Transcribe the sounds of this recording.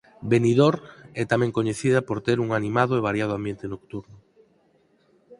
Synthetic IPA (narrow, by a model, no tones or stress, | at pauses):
beniðoɾɛt̪amɛ̃ŋkoɲeθiðɐpoɾt̪eɾuŋanĩmaðʊeβ̞aɾjað̞ʊambjent̪enokt̪uɾnʊ